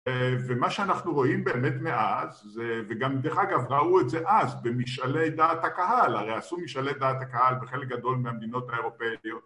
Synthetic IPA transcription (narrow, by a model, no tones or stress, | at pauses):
vemaʃeanaχnuʁo̞imbeːmet̪me̞ʔazːeveɡamd̪eχaɡavʁauetzeʔazbemiʃalejd̪at̪hakahalaʁejasumiʃalejd̪aːt̪hakahalbeχelek̚ɡad̪o̞lmeamd̪ino̞t̪haeʁo̞pejot̪